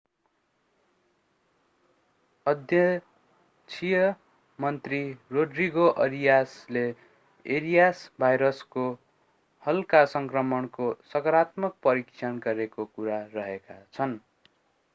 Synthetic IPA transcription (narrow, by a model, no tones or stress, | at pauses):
ʌd̪jʌ | t͡sʰijʌ | mʌnt̪riroɖriɡoʔʌɾijasle | eɾijasbʱajɾʌsko | hʌlkasʌŋkrʌmʌnkosʌkʌɾat̪mʌk̚pʌɾikt͡sʰʌnɡʌɾekokuɾarʌɦekat͡sʰʌn